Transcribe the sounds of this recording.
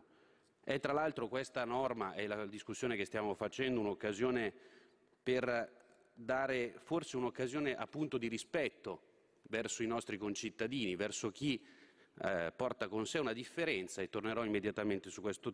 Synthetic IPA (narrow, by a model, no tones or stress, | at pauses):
ɛt̪ːɾalalt̪ɾokwest̪anɔrmaʔɛlad̪iskusːjoːnekest̪jaːmofat͡ʃɛnd̪ounokːazjoːne | per | d̪aːɾeforseunokːazjoːneʔa̰pːunt̪od̪iɾispɛt̪ːo | vɛrsoinɔst̪ɾikont͡ʃit̪ːad̪iːnivɛrsok̟i | pɔrt̪akonseunad̪ifːeɾɛnt̪saet̪ːorneɾɔimːed̪jat̪ament̪esukːwest̪o